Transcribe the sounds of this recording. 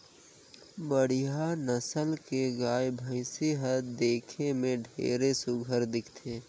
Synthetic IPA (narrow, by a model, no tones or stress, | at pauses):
bəɽ̤ijanəsəlkeɡaːjbʱə̃ɪsiɦəd̪eːkʰemẽɖʱḛːɾesʊɡʱəɾd̪ɪkʰt̪ʰeː